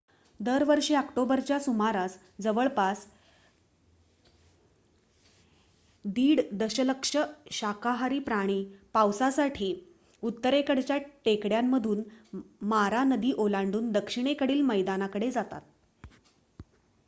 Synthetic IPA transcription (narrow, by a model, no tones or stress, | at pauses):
d̪əɾʋəɾʂeəkʈobəɾt͡ɕjasumaɾas | d͡zəʋəɭpas | d̪iːɽd̪əɕələkʂəɕakaɦaɾiːpɾaɽ̃iːpawsasaʈʰiː | ut̪ːəɾekəɽt͡ɕjaʈekɽjamːəd̪ʱuːnmaɾanəd̪iːʔolaɳɖuːnd̪əkʂiɽ̃ekəɽiːlməjd̪anakəɽed͡zat̪a̰t̪̚